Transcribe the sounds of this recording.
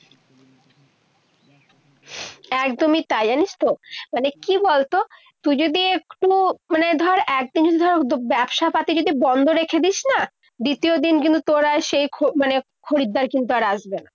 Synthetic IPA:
ɛkd̪omit̪ajaniʃt̪omanekibolt̪o | t̪ujd͡ʑod̪iekʈumaned̪ʱɔaɾʔɛk̚d̪ind͡ʑod̪id̪ʱɔɾabɛbʃapat̪id͡ʑod̪ibɔnd̪ʱoɾekʰed̪iʃna | d̪it̪iod̪inkint̪ut̪oɾaʃejkʰomane | kʰoɾid̪ːaɾkint̪uaɾaʃbena

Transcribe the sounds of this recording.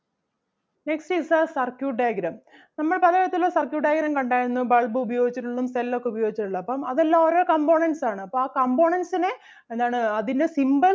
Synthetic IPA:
neksʈisasɐrkjuːʈɖaːjɐɡɾɐm | nɐmːɐɭpɐlɐɐɭɐt̪ːilosɐrkjuːʈɖajɡɐɾɐmkɐɳɖaːjiɾunːubɐɭbɨubɐjo̞ːɡit͡ɕːiʈːuɭːumst̪elːo̞kːeubɐjo̞ːɡit͡ɕːiʈːuɭːɐːpːɐmɐðelːaːoɾo̞ːkɐmbo̞ːɳɐnsaːɳɨɐpːoɭaːkɐmbo̞ːɳɐnsine | end̪aːɳɨɐðinde̞simbɐl

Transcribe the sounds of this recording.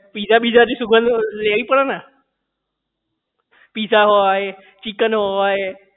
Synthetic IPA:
pid͡ʒabid͡ʒadisuɡə̃nd̪leɾipəɽana | pisaɦoae | t͡ʃikənɦoʋae

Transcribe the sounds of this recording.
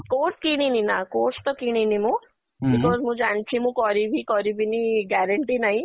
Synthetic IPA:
koːskiɽ̃ininakoːst̪ɔkiɽ̃inimũ | bikɔːzmũd͡ʒaɳt͡ʃʰimũkɔɾibʱikɔɾibʱiniɡaɾəɳʈinaĩ

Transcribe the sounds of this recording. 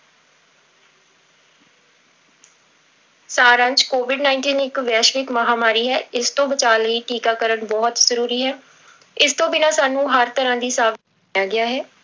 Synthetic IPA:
saːɾə̃ɲd͡ʒkoːʋɪɖnãːɪ̃ɳʈiːnɪkʋɛːʃʋɪkməɦaːmaːɾiːɦɛːɪst̪õːbət͡ʃaːliːʈiːkaːkəɾəɳbɔːt̪zəɾuːɾiːɦɛː | ɪst̪õːbɪnaːsaːnũːɦəɾt̪əɾãːd̪iːsaːʋ | jaːɡɪaːɦɛː

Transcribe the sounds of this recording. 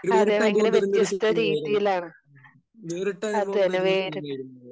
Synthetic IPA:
ɐðeːeŋɡɐleʋet̪ːjɐst̪ːɐɾiːðijilaːɳɨ | ɐðeneʋeːɾu

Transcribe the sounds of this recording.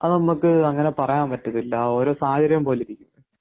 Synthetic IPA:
ɐðɨnɐmːukːɨɐŋːɐne̞pɐrɐjaːmpɐtːɐðilːɐo̞ːɾo̞ːsaːɐd͡ʑɐɾjɐmpo̞ːliɾikʲːunːɐ

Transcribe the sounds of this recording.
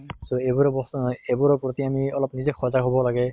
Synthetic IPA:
soebuɹɔbɔstnɔjebuɹɔpɹot̪iamiɔlɔpnizɛxʰɔzaɦobɔlaɡɛ

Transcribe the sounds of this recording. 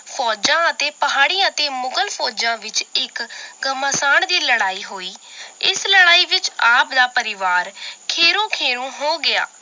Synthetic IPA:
fʰɔːd͡ʒãːət̪eːpəɦaːɽ̃iːãːət̪eːmʊkəlpʰɔːd͡ʒãːʋɪt͡ʃɪkɡəməsaːɳd̪iːləɽaːiːɦoːiːɪsləɽaːiːʋɪt͡ʃaːpd̪aːpəɾɪʋaːɾkʰeːɾõːkʰeːɾũːɦoːɡɪa̰ː

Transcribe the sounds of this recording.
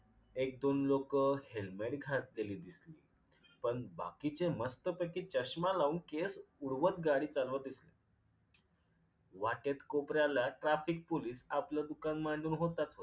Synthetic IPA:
ek̚d̪onlokəhelmeʈɡʱat̪̚leliːd̪islḭː | pəɳba̰kit͡seməst̪əpəkit͡ɕəɕmalaunkesuɽʋət̪ɡaɽiːt͡salʋad̪isle | ʋaʈet̪kopɾjalaʈɾafik̚poliːsapləd̪ukanmaɳd͡zuːnɦot̪at͡sɦo

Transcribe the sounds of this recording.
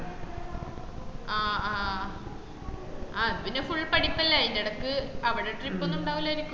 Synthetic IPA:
aːaː | aːupinefuɭːpɐɽipːɐlːɐindeɽɐkːɨɐʋiɽeʈripːonːuɳɖaːɣilːoeɾikʲːu

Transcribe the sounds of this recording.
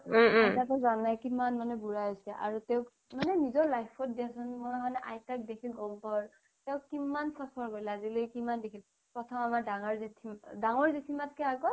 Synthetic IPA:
ajtatɔzanajkimanmanɛbuɹajasɛʔa̰ɹutɛʊ̃ | manɛnizɔɹlajpʰɔt̚diasɔnmɔmanɛʔajtak̚dekʰilɡɔmpɔɹ | tɛʊkimansapʰɔɹkojlazilokimandekʰil | pɹɔtʰɔmamaɹdaŋɔɹzetʰimdaŋɔɹzetʰimat̚kɛakɔ

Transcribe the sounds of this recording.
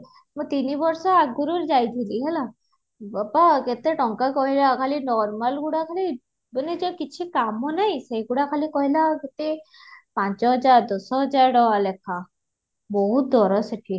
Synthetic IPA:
mut̪inibɔɾsɔaɡuɾuɾd͡ʒajt̪ʰiliɦɛla | apaɡet̪eʈɔŋkakɔɦilakʰalinɔɾmalɡuɽakʰali | bəned͡ʒɔkit͡ʃʰikamːɔnajsejɡuɽakʰalikɔɦilaket̪e | pãnt͡ʃɔɦɔd͡ʒaɾd̪ɔsɔɦɔd͡ʒaɾɖɔwalɛkʰa | bɔɦut̪̚d̪ɔɾɔseʈʰi

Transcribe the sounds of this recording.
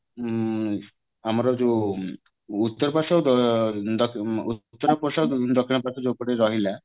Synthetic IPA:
amɔɾɔd͡ʒo | ut̪ːɔɾɔpaʃawd̪ɔd̪ɔkut̪ːɔɾɔpɔsad̪ɔkʰːiɳɔpat̪ɔd͡ʒopɔɽeɾɔɦila

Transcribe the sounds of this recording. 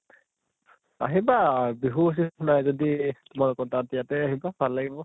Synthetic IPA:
a̰ɦibabiɦus̬ixʰʊnajzoditʊmalɔkɔtatijatɛaɦibabʱalːaɡibɔ

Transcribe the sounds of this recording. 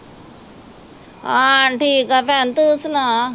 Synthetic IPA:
aʈʰiːkapant̪usna

